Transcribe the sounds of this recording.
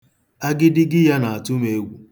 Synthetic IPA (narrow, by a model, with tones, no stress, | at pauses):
a˦ɡɪ˦dɪ˦ɡɪ˦ja˦na˨a˨tʊ˦me˨e˦ɡʷu˨